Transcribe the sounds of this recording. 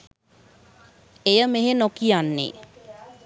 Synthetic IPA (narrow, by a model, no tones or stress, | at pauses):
ejəmeɦenokijanːḛː